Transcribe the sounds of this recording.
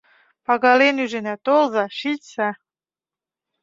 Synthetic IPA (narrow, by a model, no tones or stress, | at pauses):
pɑɣɑlenyʒĕnæt̪olzɑʃitsæ